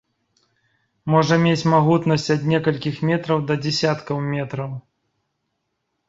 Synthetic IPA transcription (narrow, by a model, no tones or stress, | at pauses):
mɔʐɐmʲet͡sʲmaɣut̪nɐsʲt͡sʲɐd̪nʲɛkɐlʲkʲixmʲɛt̪ɾɐwd̪ɐd͡zʲɛsʲat̪kɐwmʲɛt̪ɾɐw